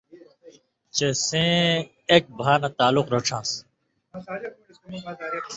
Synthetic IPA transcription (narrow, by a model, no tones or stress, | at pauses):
t͡ɕesẽ | ek̚bʱaːnat̪aːlʊqɾoːʈ͡ʂʰãːs